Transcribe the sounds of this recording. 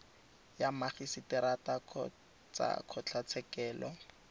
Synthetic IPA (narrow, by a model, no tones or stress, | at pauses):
jamaχisitɪɾata | t͡sa̰kʰɔt͡ɬʰat͡sʰɛkɛːlɔ